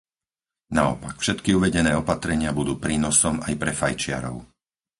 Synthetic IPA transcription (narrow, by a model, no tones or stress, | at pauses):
naɔ̰pakfʃɛt̪kiuʋɛɟɛnɛːɔpat̪ɾɛɲɪabud̪uːpɾiːnɔsɔmajpɾɛfajt͡ʃɪa̰ɾɔ̰ʊ